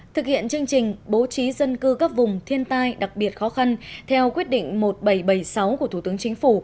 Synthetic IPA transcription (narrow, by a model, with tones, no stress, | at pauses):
t̪ʰɨ˨˩k̚hḭ˧˨ənt͡ɕɨ˧əŋt͡ɕï˨˩ŋ̟ɓo˨˦t͡ɕi˨˦zə˧nkɨ˧kaː˦˥k̚vʊ˨˩ŋ͡mt̪ʰi˧ənt̪aː˧jɗa˨˩k̚ɓi˨˩ət̚xɔ˨˦xa˧nt̪ʰɛ˧wkwi˦˥ət̚ɗḭ˧˨ŋ̟mo˨˩t̚ɓə˧˩jɓə˧˩jsa˨˦wku˧˩ət̪u˧˩t̪ɨ˨˦əŋt͡ɕï˨˦ŋ̟fu˧˩